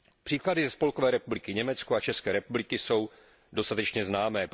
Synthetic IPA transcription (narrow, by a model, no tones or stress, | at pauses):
pr̝̥iːkladɪzɛspo̞lko̞vɛːɾɛpublɪkɪɲɛmɛt͡skoat͡ʃɛskɛːɾɛpublɪkɪso̞w | do̞st̪at̪ɛt͡ʃɲɛznaːmɛː